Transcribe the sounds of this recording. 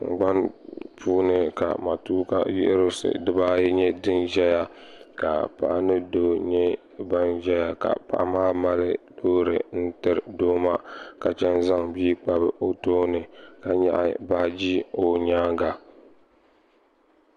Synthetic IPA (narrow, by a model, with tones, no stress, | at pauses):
ŋ̩˨ɡ͡ba˦npuː˦nɨ˨ka̰˨ma˨tuː˦ka̰˦jḭ˦ʔɾo˦sɨ̰˨dɨ˦ba˦jɲɛ˦dɨ˦nʒɛ˦ja˦ka˨pa̰˨ʔa˦nɨ˦do˦ɲɛ˦ | ba˦nʒɛ˦ja˦ka̰˨pa̰˦ʔa˦maː˦ma˦lɨ˦doː˦ɾɨ˨n̩˦tɨ˦ɾdoː˦ma˦ka˨t͡ʃɛ˦nza˦ŋbiː˦k͡pa˦bɨ˦ʔo˦toː˦nɨ˨ka˨ɲɛ̰˦ʔa̰˦˨baː˦d͡ʒi˦o˦ɲaː˦ɡa˨